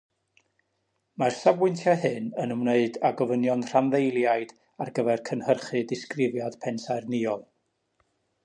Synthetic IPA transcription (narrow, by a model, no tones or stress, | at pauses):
marsavwɪntʰjahɨnənəmneɨdaɡɔvənjɔnr̥anðejlˠjajd̥ | arɡəvɛrkʰənhərχɨdɪskrɪvjad̥pʰɛnsajrniɔlˠ